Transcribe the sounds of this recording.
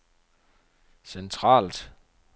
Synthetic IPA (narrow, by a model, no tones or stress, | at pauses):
sent͡sʰʁɑ̰̈ːld̥